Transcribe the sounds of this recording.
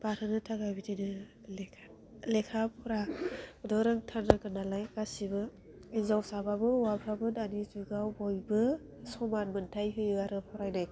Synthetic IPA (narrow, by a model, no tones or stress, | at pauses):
b̥aɾɯnɯtʰaɡabidinɯ | lekʰa | lekʰapʰɔɾadɔɾaŋtʰaɾnɯkɯnalajkasibɯ | inzawsababɯwabʰɾabɯnanizuɡawbɔjbɯ | sɔmanmɯntʰajɦɯjwaɾɯpʰɔɾajnaj